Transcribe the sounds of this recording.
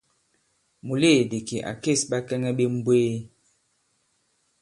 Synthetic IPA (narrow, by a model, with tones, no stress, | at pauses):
mu˨le˦˨de˨ki˨ʔa̰˨ke˦˨sɓa˦kɛ˦ŋɛ˦ɓe˦m̩˦bweː˦